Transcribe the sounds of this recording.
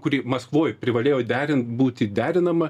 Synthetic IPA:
kʊɾʲiːmɐskʋoːjpʲɾʲɪʋɐlʲeːjoːd̪ʲæːɾʲɪnt̪buːt̪ʲɪd̪ʲæːɾʲɪnɐmɐ

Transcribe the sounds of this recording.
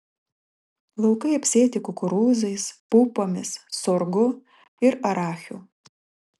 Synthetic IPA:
lˠɐʊkɐɪɐpʲsʲeːt̪ʲɪkʊkʊɾuːzɐɪspupoːmʲɪsːoɾɡʊ | ɪɾɐɾɑːxʲuː

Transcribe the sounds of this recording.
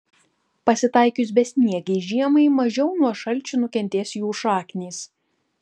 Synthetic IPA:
pɐsʲɪt̪ɐˑɪkʲʊs̬bʲɛsʲnʲiɛɡʲɛɪʒʲiɛmɐɪmɐʒʲɛʊnuɔʃɐlʲt͡ʃʲʊnʊkʲɛnʲt̪ʲeːsjuːʃɑːkʲnʲiːs

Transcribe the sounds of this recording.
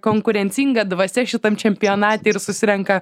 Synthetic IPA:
koːŋkʊɾʲɛnʲsʲiːŋɡɐd̪ʋɐsʲɛʃʲɪt̪ɐmt͡ʃʲɛmʲpʲɪjoːnɑːt̪ʲeːɪɾsʊsʲɪɾʲɛŋkɐ

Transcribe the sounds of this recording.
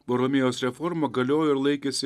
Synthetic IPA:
poɾɔmʲɪjoːsɾʲɛfɔɾmoːɡɐlʲoːjoɪɾlˠɐɪkʲesʲɪ

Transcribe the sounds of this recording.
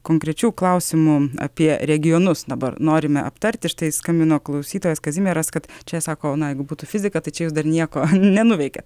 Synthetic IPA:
koːŋkɾʲɛt͡ʃʲuːklˠɐʊsʲɪmuːɐ̰pʲiɛɾʲɛɡʲɪjoːnʊsd̪ɐbɐ̰rnoːɾʲɪmʲɛʔɐ̰pt̪ɐɾʲt̪ʲɪʃt̪ɐɪskɐmʲbʲɪnoːklˠɐʊsʲiːt̪oːjɛskɐzʲɪmʲeːɾɐskɐt̪t͡ʃʲɛsɑːkoːnɐjɛɪɡʊbuːt̪uːfʲɪzʲɪkɐt̪ɐɪt͡ʃʲɛjuːs̬d̪ɐrnʲiɛkoːnʲɛnʊʋʲɛɪkʲɛt̪

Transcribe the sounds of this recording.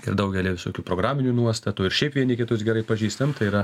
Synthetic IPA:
ɪ̰ɾd̪ɐʊɡʲɛlʲiːʋʲɪsoːkʲuːpɾoːɡɾɑːmʲɪnʲuːnuɔst̪ɐt̪uːɪɾʃʲɛɪpʋʲiɛnʲɪkʲɪt̪ʊs̬ɡʲɛɾɐɪpɐʒʲiːst̪ɐmt̪ɐɪiːɾɐ

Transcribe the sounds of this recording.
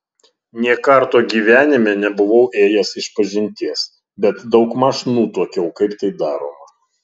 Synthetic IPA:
nʲiɛkɐɾt̪oːɡʲiːʋʲæːnʲɪmʲeːnʲɛbʊʋɐʊʔeːjɛsɪʃpɐʒʲɪnʲt̪ʲiɛs | bʲɛt̪d̪ɒʊkmɑʃɪnuːt̪uɔkʲɛʊkɐɪpt̪ɐɪd̪ɑːɾoːmɐ

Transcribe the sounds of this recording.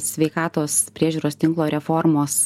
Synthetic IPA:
sʲʋʲɛɪkɑːt̪oːspʲɾʲiɛʒʲuːɾoːst̪ʲɪŋklˠoːɾʲɛfɔɾmoːs

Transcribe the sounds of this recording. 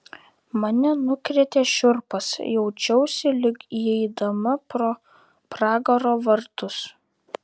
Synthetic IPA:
mɐnʲɛnʊkɾʲet̪ʲeːʃʲʊɾpɐsjɛʊt͡ʃʲɛʊsʲɪlʲɪkiɛɪd̪ɐmɐɾoː | pɾɑːɡɐɾoːʋɐɾt̪ʊs

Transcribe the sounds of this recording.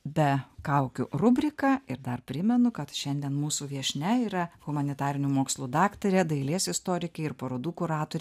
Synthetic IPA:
bʲɛkɐʊkʲʊrʊbʲɾʲɪkɑːɪɾd̪ɐrpʲɾʲɪmʲɛnʊkɐt̪ʃʲɛnʲd̪ʲiɛnmuːsuːʋʲiɛʃʲnʲɛiːɾɐɣʊmɐnʲɪt̪ɑːɾʲɪnʲuːmoːkslˠuːd̪ɑːkt̪ɐɾʲɛd̪ɐɪlʲeːsɪst̪oːɾʲɪkʲɛɪɪɾpɐɾoːd̪uːkʊɾɑːt̪oːɾʲɛ

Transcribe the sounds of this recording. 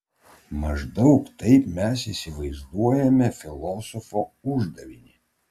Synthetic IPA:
mɐʒd̪ɒʊkt̪ɐɪpmʲɛsisʲɪʋɐɪzd̪uɔjɛmʲɛfʲɪlˠɔːsɔfoːʊʒd̪ɐʋʲɪnʲi

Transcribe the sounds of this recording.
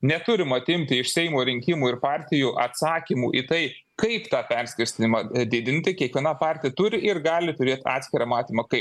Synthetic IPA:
nʲɛt̪ʊɾʲɪmɐt̪ʲɪmʲt̪ʲɪɪʃsʲɛɪmoːɾʲɪŋʲkʲɪmuːɪɾpɑːɾʲt̪ʲɪjuːʔɐt̪sɑːkʲimuːʔiːt̪ɐɪ | kɐɪpt̪ɑːpʲɛɾʲsʲkʲɪɾʲsʲt̪ʲɪnʲɪmɑd̪ʲɪd̪ʲɪnʲt̪ʲɪkʲiɛkʋʲiɛnɑpɑːɾʲt̪ʲɪjɛt̪ʊɾʲɪʔɪɾɡɑːlʲɪt̪ʊɾʲiːt̪ʲɑ̰ːt̪ʲsʲkʲɪɾɑmɑːt̪ʲiːmɐkɐɪp

